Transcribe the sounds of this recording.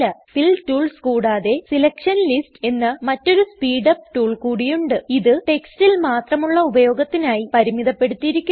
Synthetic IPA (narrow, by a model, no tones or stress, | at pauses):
ɐfiltuːɭskuːɽaːðe̞silɐkʂɐnliste̞nːɐmɐtːo̞ɾuspiːɽɐpʈuːɭkuːɽijuɳɖɨiðɨʈe̞kstilmaːt̪rɐmuɭːɐubɐjo̞ːɡɐt̪ːinaːjipɐɾimiðɐpːe̞ɽut̪ːijiɾikʲːu